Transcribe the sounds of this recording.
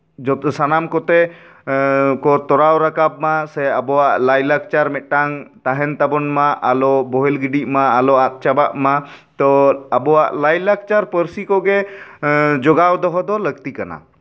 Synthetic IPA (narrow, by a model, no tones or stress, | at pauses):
d͡ʒɔsanamkɔt̪ɛ | kɔt̪ɔɾawɾakab̚masɛabɔwaʔlajlak̚t͡ʃaɾmɛt̪̚ˀʈaŋt̪aɦɛnt̪abɔnmaʔalɔbɔɦɛlɡiɖiʔmaːlɔat̪̚ˀt͡ʃabaʔma | t̪ɔabɔwaʔlajlak̚t͡ʃaɾpəɾsikɔɡɛ | d͡ʒɔɡawd̪ɔɦɔd̪ɔləɡt̪ikana̰